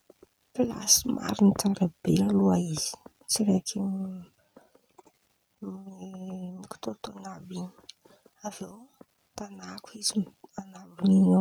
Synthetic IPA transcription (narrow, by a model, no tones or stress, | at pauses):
pila̰simʔa̰ɾinit̪aŋɡabealuaiz̥i̥ | t͡siɾekʰi | miki̥t̪ot̪onabiɲi̥ | avew | t̪anakuizianabinino